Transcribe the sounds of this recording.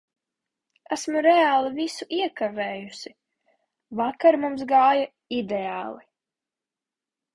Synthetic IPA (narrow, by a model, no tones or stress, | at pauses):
æsmuɾɛaːlˠivisuʔiɛkavɛːjusi | vakaɾmumsɡaːja | id̪eaːlˠi